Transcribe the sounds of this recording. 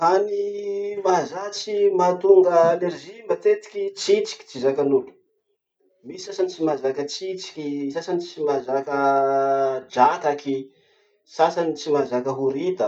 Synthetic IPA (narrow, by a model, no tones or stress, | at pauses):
hanimazat͡simat̪uŋɡəːneɾʒimbat̪et̪i̥kʲit͡sit͡si̥kʲi̥t͡sizakanulu̥ | misisasanit͡simazakət͡sit͡si̥kʲisasanit͡simazakə | d͡ʒak̪aki | sasanit͡simazakəɦuɾid̪ə